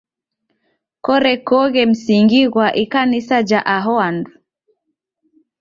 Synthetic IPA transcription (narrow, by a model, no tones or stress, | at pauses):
kɔɾɛkɔɣɛm̩siŋɡiɣwaʔikanisad͡ʒaʔaɦɔandu